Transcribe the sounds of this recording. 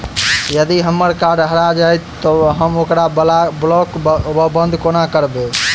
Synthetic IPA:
jəd̪iɦəmːəɾkaɾɖɦəɾad͡ʒajt̪ːɔɦəmokɾalablɔkbəbənd̪ʱkonakəɾbe

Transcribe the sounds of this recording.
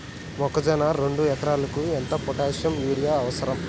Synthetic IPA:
mɔkɐd͡ʒɐnaɾeɳɖujɐt̪ɐɾaːlɐkuent̪ɐpɔʈaːʃjɐmjuːɽijaːɐʋɐsɐɾɐm

